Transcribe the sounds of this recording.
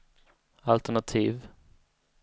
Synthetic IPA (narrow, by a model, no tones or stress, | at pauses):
alt̪æɳat̪ʰiːv